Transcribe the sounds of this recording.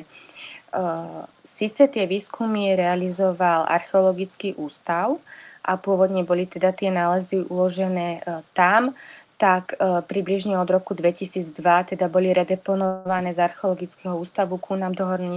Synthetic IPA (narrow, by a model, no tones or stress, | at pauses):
siːt͡sɛt̪ɪɛʋiːskʰumiɾɛalizɔʋalʔa̰ɾxɛɔlɔɡit͡skiʔuːst̪aʊʔapʊɔʋɔd̪ɲɛbɔlit̪ɛd̪at̪ɪɛnaːlɛziʔulɔʒɛnɛːt̪amt̪akpɾibliʒɲɛɔd̪ɾɔkud̪ʋɛcisiːd͡zd̪ʋat̪ɛd̪abɔliɾɛd̪ɛpɔnɔʋanɛːzaɾxɛɔlɔɡit͡skɛɦɔuːst̪aʋukunamd̪ɔɦɔɾnɲ